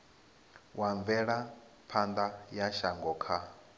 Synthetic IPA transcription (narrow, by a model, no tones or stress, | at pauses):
waɱvɛɺa | pʰand̪ajaʃaŋɡɔːkʰa